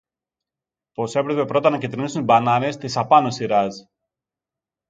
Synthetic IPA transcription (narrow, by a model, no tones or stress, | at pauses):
po̞se̞pɾepe̞pɾo̞t̪ɐnɐcit̪ɾinisunibɐnɐne̞st̪isɐpɐnosiɾɐz